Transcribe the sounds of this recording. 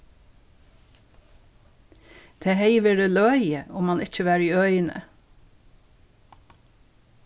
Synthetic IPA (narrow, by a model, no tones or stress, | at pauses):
d̪̥ʰeːheɪʋəɾeːlœjəʊmɑnɪc͡çəʋæːɹiːœʏnə̰